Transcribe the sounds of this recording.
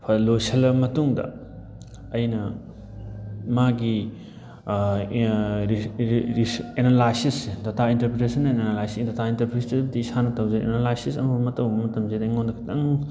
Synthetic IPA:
pʰlojsʰɐlbɐmɐtuŋdɐ̰ | ɐjnɐ | maɡi | enalajsisːedɐtʰaintɐɾpɾetesɐnːɐenanalajsidɐtʰaintɐɾpɾesitib̚tisanɐtɐwzeḛnalajsisɐ̰mɐbɐmɐtɐwbɐmɐtɐmzedɐiŋondɐkʰi̥tɐŋ

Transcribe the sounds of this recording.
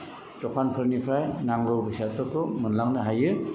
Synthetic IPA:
tɔkʰanpʰɯɾnipʰɾajnaŋɾɔwbɯsatɔtɔmɯnlaŋnɯɦajɯ

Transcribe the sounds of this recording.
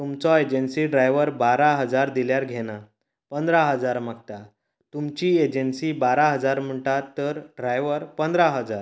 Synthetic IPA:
t̪umt͡sɔed͡ʑənsiɖɾajʋəɾbaɾaɦəd͡zaɾd̪iljaɾɡʱena | pənd̪ɾaɦəd͡zaɾmak̚t̪a | t̪umt͡ɕied͡ʑənsiːbaɾaɦəd͡zaɾm̤əɳʈat̪əɾɖɾajʋəɾpənd̪ɾaɦəd͡zaɾ

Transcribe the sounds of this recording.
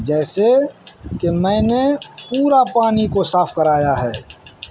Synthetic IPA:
d͡ʒɛːsekemɛ̃ːnepuːɾapaːnikosaːfʰkəɾaːjaɦɛː

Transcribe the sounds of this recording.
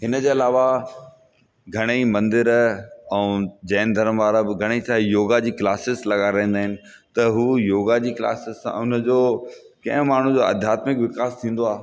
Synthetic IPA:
ɦɪnə̆d͡ʑeːɐlaːʋa | ɡʱɐɽ̃emɐ̃nd̪ɪɾɛ̃d͡ʑɐːnd̪ʱɐɾəmʋaːɾəbɪɡʱɐɽ̃et͡ɕʰaːjoːɡad͡ʑiːklaːsɪzlɐɠaɾɐ̃ɦĩnd̪aːɦɪnɪ̆ | t̪ɐɦuːjoːɡad͡ʑiːkla̰ːsɪzsã̰ʊn̆d͡ʑoː | kɐ̰̃ɦʊ̃maːɳ̤ũd͡ʑoːɐ̰d̪ʱjaːt̪mɪkʋɪkaːst̪ʰĩːnd̪oaːɦ

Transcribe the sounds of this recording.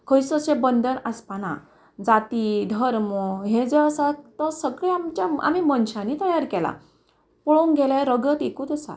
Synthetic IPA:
kʰəjsəɕebənd̪əɾəspana̰ | d͡zat̪id̪ʱəɾməɦed͡zeəsat̪əsəɡɭeamt͡ɕaa̰mimənɕãnit̪əjaɾkɛla̰ | pɔɭoũŋɡʱelaeɾəɡət̪ekuːt̪əsa̰

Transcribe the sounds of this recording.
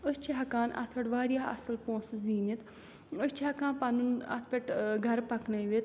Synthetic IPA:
ʊst͡ʃʰiɦɐkaːnɐ̰t̪ʰpeʈʋaːɾjaːɐ̰səlpõːsziːnit̪ | ʊst͡ʃʰiɦɐkãːnpɐnunɐ̰t̪ʰpɐʈɡʱɐɾpɐknɐjʋet̪

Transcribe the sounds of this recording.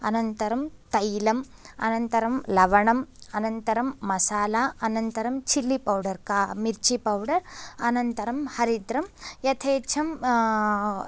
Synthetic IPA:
ɐnɐnt̪ɐɾɐmt̪ɐjlɐm | ɐ̰nɐnt̪ɐɾɐmlɐʋɐɳɐmɐnɐnt̪ɐɾɐmːɐsaːlaːɐnɐnt̪ɐɾɐmt͡ʃʰilːipɐwɖɐɾkaːmiɾt͡ʃipɐwɖɐɾɐnɐnt̪ɐɾɐmhɐɾid̪ɾɐmjɐt̪ʰeːt͡ʃʰɐm

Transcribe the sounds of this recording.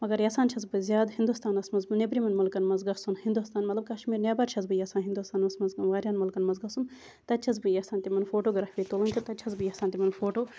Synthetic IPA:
mɐɡɐɾjaːsaːnt͡ʃʰɐzbɨzʲjaːd̪hind̪ust̪aːnɐsmɐnzbɨnebɾimɐnmɐlkɐnmɐnzɡɐsunhind̪ust̪aːnmɐt̪lɐb̚kɐʃmiːɾnʲaːbaːɾt͡ʃʰɐzbɨjaːsaːnɦind̪ust̪aːnɐsmɐzʋaːɾʲjaːnmɐlkɐnmɐnzɡɐsun | t̪ɐtt͡ʃʰɐz̬bɨjaːsaːnt̪ʲimɐnfoːʈoːɡɾaːfiːt̪olɐnʲt̪ʲut̪ɐt̪t͡ʃʰɐzbɨjaːsaːnt̪ʲimɐnfoːʈoː

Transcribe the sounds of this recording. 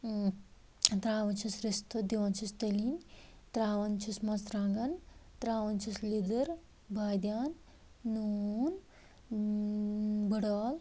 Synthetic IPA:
t̪ɾaːʋɐnt͡ʃʰisɾist̪ɐd̪iʋant͡ʃʰist̪ɐliːnt̪ɾaːʋɐnt͡ʃʰismɐsɾaːŋɡɐnt̪ɾaːʋɐnt͡ʃʰislid̪ɐɾ | bʱaːjd̪jaːnː | uːn | bəɽaːl

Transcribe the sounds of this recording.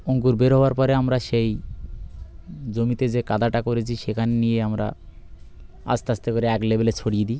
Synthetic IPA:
oŋkuɾbeɾɦɔaɾpɔɾeamɾaʃej | d͡ʑomit̪ed͡ʑekad̪aʈakoɾet͡ɕʰiʃekʰanenijeamɾa̰ | a̰st̪east̪ekoɾeɛklebelet͡ɕʰoɽijed̪i

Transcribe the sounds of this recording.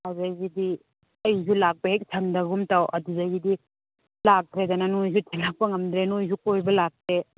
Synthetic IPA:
hawzajɡidi | ɐjzulak̚pɐhek̚sʰɐndɐɡumtawɐ̰duzajɡidi | lak̚tʰɾedɐnɐnojzutʰenlak̚pɐŋɐmdɾenojzukojbɐlak̚tʰɾe

